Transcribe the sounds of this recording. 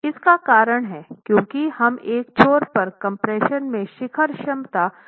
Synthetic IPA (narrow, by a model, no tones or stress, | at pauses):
ɪskakaːɾəɽ̃ɦɛːkjõːkihɐmeːk̚t͡ʃʰoːɾpɐɾkɐ̃mpɾeːʃənmẽʃɪkʰəɾʃɐmt̪aː